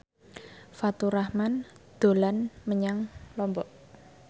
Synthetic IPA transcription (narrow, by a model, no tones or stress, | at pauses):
fat̪uɾahmand̪̥o̤lanməɲaŋlɔmbɔʔ